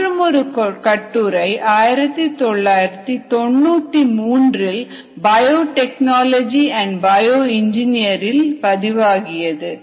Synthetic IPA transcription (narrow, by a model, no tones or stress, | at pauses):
ɾɯmɔɾɯkkɐʈːuːɾɐɪʔaːjɪɾɐt̪ːɯt̪ɔɭːaːjɪɾɐt̪ːɯt̪ɔɳːuːt̪ːimuːndrɪl | bɐjoːʈɛknaːlɐd͡ʒiɐɳɖbɐjoːɪɲd͡ʒɪnɪjɐɾɪlpɐðɪʋaːɣɪjɐðɯ